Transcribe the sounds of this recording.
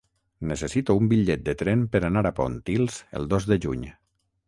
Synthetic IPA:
nəsəsit̪uumbiʎɛt̪̚d̪ət̪ɾɛmpəɾanaɾapo̰nt̪ilˠzə̰lˠd̪ozdəʒuɲ

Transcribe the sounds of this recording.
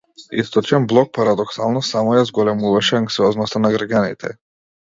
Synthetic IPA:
ḭst̪ɔt͡ʃɛnblˠɔk̚paɾad̪ɔksalˠnɔsamɔjazɡɔlɛmuvaʃɛaŋksiɔznɔst̪anaɡɾaɡʲanit̪ʰɛ̰

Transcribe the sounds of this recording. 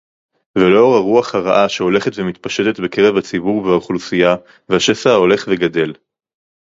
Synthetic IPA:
velo̞ʁaʁuaχhaʁaʔaʃeo̞le̞χet̪vemit̪paʃet̪et̪beke̞ʁevhat͡sibuʁveaχlusija | vehaʃesao̞le̞χveɡad̪e̞l

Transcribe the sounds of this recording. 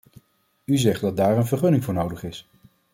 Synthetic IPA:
yzɛχt̚dɑd̚daːɹənvəɹχɵnɪŋvʊːɹnowdəχɪs

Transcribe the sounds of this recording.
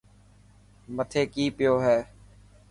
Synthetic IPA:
mət̪ʰeːkiːpɪjoːɦɛː

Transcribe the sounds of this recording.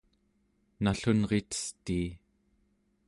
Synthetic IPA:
naɬunʁet̪ə̥st̪iː

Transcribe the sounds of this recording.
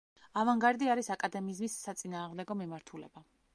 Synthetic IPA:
avaŋɡaɾd̪iaɾisakʼad̪ɛmizmisːat̪sʼinaːʁmd̪ɛɡɔmimaɾt̪ʰulɛ̰ba

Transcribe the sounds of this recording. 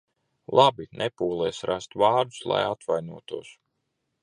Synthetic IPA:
lˠabinʔɛpuːlˠɛːsɾʔast̪uvaːɾd̪u̥slˠa̰jat̪vajnuɔt̪uɔs

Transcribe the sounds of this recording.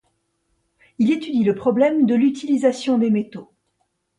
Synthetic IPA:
ilet̪yd̪iləpχɔblɛmd̪əlyt̪ʰilizasjɔ̃d̪emet̪o

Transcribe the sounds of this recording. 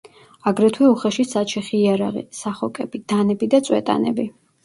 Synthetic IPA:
aɡɾɛt̪ʰwɛuχɛʃisat͡ʃʰɛχiːaɾa̰ʁḭsaχɔkʼɛbid̪̥anɛbid̪at̪sʼwɛ̰t̪ʼa̰nɛ̰bi

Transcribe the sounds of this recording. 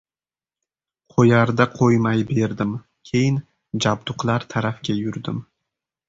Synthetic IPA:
qʰojaɾd̪aqʰojmajbe̞ɾd̪ɪm | kʲʰe̞jɪn | d͡ʒabd̪ʊqlˠaɾt̪ʰaɾafkʲajʊɾd̪ɪm

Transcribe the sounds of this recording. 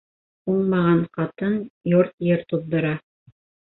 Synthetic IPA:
uɴmɑʁɑɴqɑt̪ɤnjoɾt̪jɘɾt̪uðd̪ŏɾɑ

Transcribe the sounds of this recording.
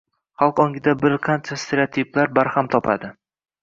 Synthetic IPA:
χɑlˠqɒŋɡʲɪd̪abɪɾqʰɑnt͡ʃʰast̪ʰeɾeot̪ʰiplaɾbaɾhamt̪ʰɒpʰa̰d̪ɪ

